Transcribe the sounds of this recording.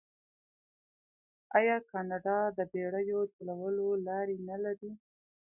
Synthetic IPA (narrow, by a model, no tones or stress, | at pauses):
ɑjɑkɑnɑɖɑd̪əbeɽəjot̪alawəlolɑɾenalaɾi